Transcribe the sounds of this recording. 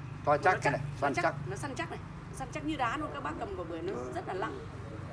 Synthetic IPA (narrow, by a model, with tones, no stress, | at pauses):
t̪ɔ˧jnt͡ɕa˦˥˦ksa˧na˦t͡ɕa˦˥k̚nɔ˨˦sa˧nt͡ɕa˦˥k̚na˨˩j | nɔ˨˦sa˧nt͡ɕa˦˥k̚ɲɨ˧ɗaː˨˦nɔ˨˧˦kaː˦k̚ɓaː˧kə˨˩mkə˨˩ɓɨ˨˩əjnɔ˨˦zə˦˥t̚laː˨˩la˨˧˦ŋ